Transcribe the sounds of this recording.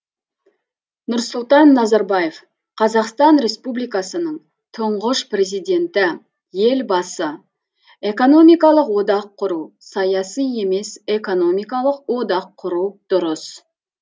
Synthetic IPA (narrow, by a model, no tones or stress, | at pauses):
nʊɾsʊlˠt̪ɑnːɑzɑɾbɑje̞f | qʰɑzɑqst̪ɑnɾe̞spublijkɑsənəɴ | t̪ʰʊɴʁəʃpre̞zijd̪e̞nt̪ɪ | je̞lbɑsə | e̞ko̞no̞mijkɑlˠəqwo̞d̪ɑqʰːʊɾusɑjɑsije̞me̞se̞ko̞no̞mijkɑlˠəq̚wo̞d̪ɑqʰːʊɾuwd̪̥ʊɾəs